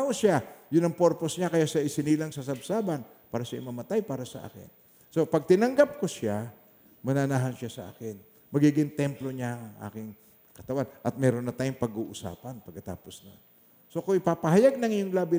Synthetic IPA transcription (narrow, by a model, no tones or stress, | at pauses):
ʔosajʊnːɐŋpo̞ɾpo̞sɲakɐjaʃɐʔɪsɪniːlaŋsɐs̬ɐbsaːbɐn | paːɾɐʃaɪmɐmɐt̪ajpaːɾɐsɐ̰ʔa̰ːkɪ̰n | so̞pɐɡ̚t̪ɪnɐŋɡap̚kosja | mɐnanaɦɐnʃasɐʔa̰ːkɪn | mɐɡiːɡɪŋt̪ɛmplo̞ɲaɐŋʔa̰ːkɪŋ | kɐt̪ɐwanʔɐt̪̚mɛɾonːɐt̪aːjʊŋpɐɡuːʔʊsa̰ːpɐnpɐɡkːɐt̪a̰ːpo̞snɐo̰n | so̞koɪpaːpɐhɐjaɡ̚nɐŋɪjoŋlaːbɪ